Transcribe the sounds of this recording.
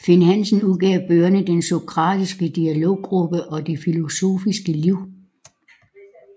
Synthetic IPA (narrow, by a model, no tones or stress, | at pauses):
fe̝nhænsn̩uðˠɡ̥ɛʊb̥øːɐnəd̥enso̝kʰʁɑ̈ːd̥isɡ̥əd̥iælo̝̰ʊ̰ːɡ̥ʁub̥əʔɒ̽d̥e̝filo̝so̝̰ːfisɡ̥əliʊ̰